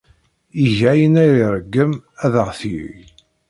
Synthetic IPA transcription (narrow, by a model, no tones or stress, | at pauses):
iʝæjənæjɾiɾˤəɡːəmæðəʁθḭ